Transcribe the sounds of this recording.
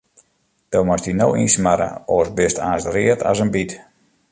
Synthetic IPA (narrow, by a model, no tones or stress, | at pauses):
d̥omastinowismaɾə̰oːsbɪstaːstriətʰɔ̰sənbit